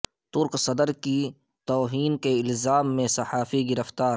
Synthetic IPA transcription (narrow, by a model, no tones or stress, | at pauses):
t̪ʊɾqsɐd̪əɾki | t̪ɔːɦiːnkeɪlzaːmːẽsɐħaːfiɡɪɾəft̪aːɾ